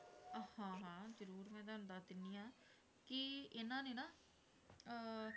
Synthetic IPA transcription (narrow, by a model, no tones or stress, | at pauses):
əhãːɦãːzəɾuːɾmɛ̃ːt̪ːnd̪aːt̪ɪnːiːãː | kɪɪnãːneːnaː